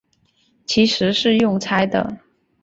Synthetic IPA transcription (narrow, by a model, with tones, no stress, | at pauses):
t͡ɕʰi˧˥ʂɻ̩˧˥ʂɻ̩˥˧jʊ˥˩ŋt͡sʰa˥ɪd̪ə̰˧˩